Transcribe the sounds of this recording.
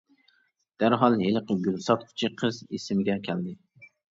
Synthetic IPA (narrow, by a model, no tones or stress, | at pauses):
d̪̥æɾɦɑlˠelˠəqəɡʲylsɑt̪kʲʰy̥t͡ʃʰiqʰəzesɪmɪɡʲɛkʲʰæld̪ɪ